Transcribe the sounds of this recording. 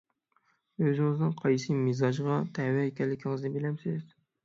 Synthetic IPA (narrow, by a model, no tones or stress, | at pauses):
øzɪŋɪznɪŋqʰɑjsɨmezɑʒʁɑt̪ʰɛwɛekʲʰɛlːɪkʲʰiŋɪznɪbɪlɛmsɪz